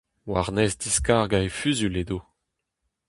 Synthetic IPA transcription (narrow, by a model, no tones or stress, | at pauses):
waʁnɛzd̪iskaːʁɡaefyzyled̪o